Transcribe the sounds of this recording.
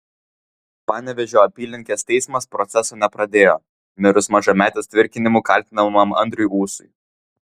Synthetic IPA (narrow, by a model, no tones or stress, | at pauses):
pɑːnʲɛʋʲɛʒʲoːɐpʲiːlʲnʲɪŋʲkʲeːst̪ʲɛɪsmɐspɾɔt̪sʲɛsoːnʲɛpɾɐd̪ʲeːjoː | mʲɪɾʊsmɐʒɐmʲæːt̪ʲeɛst̪ʲʋʲɪɾʲkʲɪnʲɪmuːˑkɐlʲt̪ʲɪnɐmɐmɐ̰nʲd̪ʲɾʲʊjuːsʊj